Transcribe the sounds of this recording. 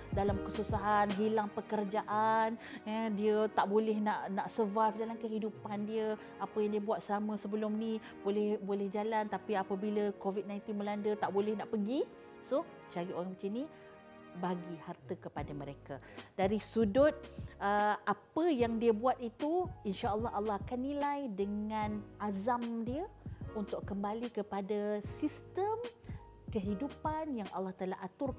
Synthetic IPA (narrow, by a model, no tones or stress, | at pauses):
dalamkəsusaɦanɦilaŋpəkərd͡ʒaʔanədiət̪aʔbolɛhnaʔnaʔsəvafdalamkəɦidupandiə | apəjaŋdiəbuat̪̚samə̃səbəlʊmni | b̥olɛhbolɛhd͡ʒalant̪apiapəbiləkovit̪̚nãjnt̪inməlandət̪aʔbolɛhnaʔpəɡi | sʊh | t͡ʃaɾio̰aŋbət͡ʃini | baɡihart̪əkəpadamə̃ɾeka | d̥aɾisudʊt̪̚ʔəʔapəjaŋdiəbuat̪̚it̪uinʃaəlːɑɦɑlːɑɦakanːilajdəŋãnʔazamdiəunt̪ʊʔkəmbalikəpadasist̪əm | kəɦidupanjaŋʔɑlːɑht̪alaɦat̪ʊr